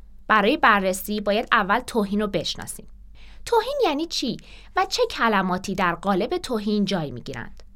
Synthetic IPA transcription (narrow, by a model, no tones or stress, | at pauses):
b̥æɾɒːje̞bærːesiːbɒːjæd̪ævːælt̪ʰoːɦiːnobe̞ʃnɒ̰ːsḭːm | t̪ʰoːhiːnjæːniːt͡ʃʰiː | væt͡ʃʰe̞cʰælæmɒːt̪ʰiːd̪æɾɢɒːle̞be̞t̪ʰoːɦiːnd͡ʒɒːjmḭɟiːɾæ̰nd̪̥